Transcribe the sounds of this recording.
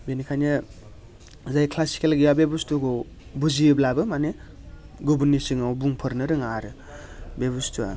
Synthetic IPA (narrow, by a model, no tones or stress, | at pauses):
benikʰana | zajkʰlasi̥kelɡijabebustuɡɔ | buziblabɯmane | ɡubunːisiŋawbuŋpʰɯɾnɯɾɯŋaɾɯ | bebustʰua̰